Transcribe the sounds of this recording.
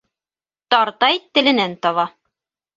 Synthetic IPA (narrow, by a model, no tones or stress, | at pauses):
t̪ɑɾt̪ɑjt̪ɘ̆lɘ̆nænt̪ɑβɑ